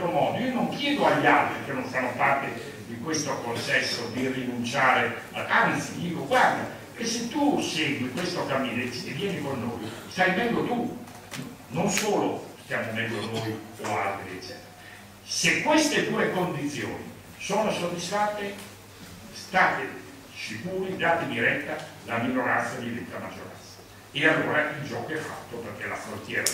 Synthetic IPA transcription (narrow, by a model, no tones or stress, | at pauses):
ɾomɔːd̪oiːonoŋkjɛːd̪oaʎːialt̪ɾik̟enːonsanːopart̪e | d̪ikwest̪okonsɛsːod̪irinunt͡ʃaːɾe | ant̪sid̪iːkoɡward̪a | kesːet̪ːusɛɡikwest̪okamiːnet͡ʃːevːjɛːnikonːoːjst̪ajvɛŋɡ̪ot̪u | nonsoːlost̪jamovɛŋɡ̪onojoalt̪ɾiɛt͡ʃːɛ̰ːt̪ɾa | sekːwest̪et̪uːekond̪it̪sːjo̰ːnḭ | soːnosod̪ːisfat̪ːe | st̪aːt̪e | sikuːɾid̪aːt̪ed̪iɾɛt̪ːalaminoɾa̰nt̪sad̪ivɛnt̪ːamad͡ʒːoɾa̰nsḁ | ealːoːɾaʔild͡ʒɔːkoɛfːa̰t̪ːoperk̟ela̰fɾont̪jɛːɾa